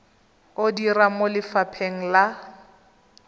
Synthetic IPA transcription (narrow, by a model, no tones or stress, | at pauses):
odiramolɪfapʰeŋ̩la